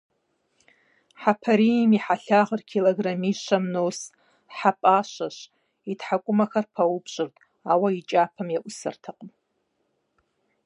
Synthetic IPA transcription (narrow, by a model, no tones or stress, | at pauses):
ħapʰaɾimiħaɬaʁərkʲʰiloɡramiʃʷamnos | ħapʼaʃʷaʃʷ | itʰħakʷʼʊmaxarpʰawupʰʂʷʼɨrtʼ | await͡ʃʼapʰamjaʔʷʊsɨ̰rtʰaqʼm